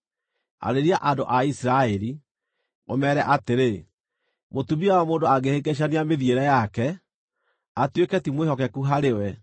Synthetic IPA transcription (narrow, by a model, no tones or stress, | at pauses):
a̰ɾeɾiaʔandoʔaisiɾaɛɾi | o̰mɛɾɛʔateɾe | motuβiawɔmoːndoaɡeheɡeʃ̬aneameðjeɾɛjakɛ | atwekɛtimwehɔkɛkuɦaɾewɛ